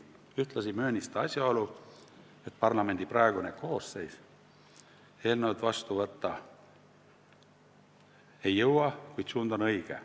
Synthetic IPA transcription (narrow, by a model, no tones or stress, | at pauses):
yht̪lɑsimø̞ːnʲist̪ɑɑsʲjɑo̞lu | et̪̚ˑpɑrlɑme̞nʲd̪iprɑeɡ̥uneko̞ːsse̞js | e̞ːlnewd̪vɑst̪uvɤt̪ːɑ | e̞jːɤwɑkujd̪̥suːnd̪o̞nɤjɡ̥ḛ